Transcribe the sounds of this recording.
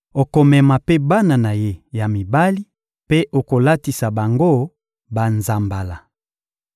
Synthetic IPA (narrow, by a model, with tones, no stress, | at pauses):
o˨ko˨mɛ˨ma˨pe˦ba˦na˨na˨je˦ja˨mi˨ba˦li˦ | pe˦ʔo˨ko˨la˦ti˨sa˨ba˨ŋɡo˦ | ba˨nza˨mba˨la˨